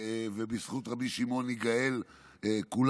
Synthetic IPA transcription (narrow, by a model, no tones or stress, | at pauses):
vebisχutʁabiʃimo̞niɡael | ekul